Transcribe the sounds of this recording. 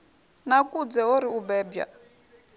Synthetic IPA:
nakʼud͡zɛɦoɾiubɛːbja̰

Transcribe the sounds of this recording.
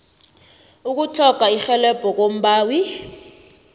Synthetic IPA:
uk̬utʰɔkaixɛlɛb̥ʱɔk̬om̩ɓaːwi

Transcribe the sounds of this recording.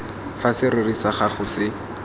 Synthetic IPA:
fasɪrʊrisaχaχʊsɪ

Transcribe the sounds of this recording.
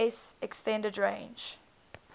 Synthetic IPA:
sɛkstɛ̃ndədɹḛ̃ɪnd͡ʒ

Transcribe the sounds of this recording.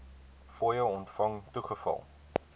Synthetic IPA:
foːjəwɔntfɐŋtuχəfɐ̰lˠ

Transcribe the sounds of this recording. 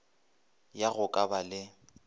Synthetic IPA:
jaɣʊkʼabalɪ

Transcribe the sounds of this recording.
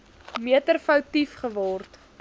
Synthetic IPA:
miətərfəwtifχəvɔrt

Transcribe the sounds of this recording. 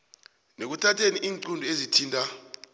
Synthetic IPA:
nek̬utʰatʰeniʔiːŋǀundʱuezitʰiːntʼa

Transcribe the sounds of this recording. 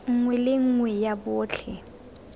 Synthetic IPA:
ŋ̩ŋwɛlɪŋ̩ŋwɛjabʊːt͡ɬʰɛ

